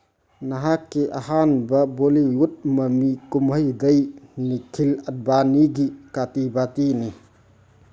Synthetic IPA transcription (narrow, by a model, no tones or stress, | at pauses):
nɐɦakːiʔɐhanbɐboliut̚mɐmikumhəjdɐjnikʰilɐt̚baniɡikatibatini